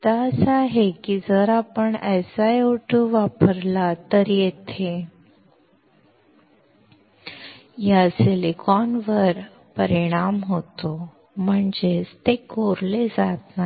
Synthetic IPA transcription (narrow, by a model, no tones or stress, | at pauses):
t̪asaɦekid͡zəɾapəɳəsajoʈuʋapəɾlat̪əɾjet̪ʰe | jaselikɔnʋəɾ | pəɾiɽ̃amɦot̪o | m̤əɳd͡zest̪ekoɾled͡zat̪na